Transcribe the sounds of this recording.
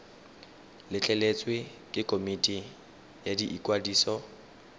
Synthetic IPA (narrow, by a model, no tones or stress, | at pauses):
lɪt͡ɬʼɛlet͡sʼwɪ | kʼɪkʼomitʼi | jadiʔikʼwadiːsɔ